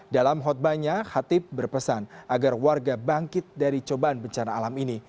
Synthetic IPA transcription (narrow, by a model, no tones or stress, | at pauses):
dalamɦɔt̪̚baɲaxat̪ɪp̚bərpəsanʔaɡarwarɡabaŋkɪt̪̚daɾit͡ʃobaanbəɲt͡ʃanaːlamini